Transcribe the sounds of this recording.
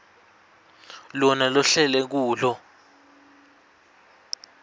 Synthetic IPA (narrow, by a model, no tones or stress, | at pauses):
lɔnalɔɬɛlɛk̬uːlɔ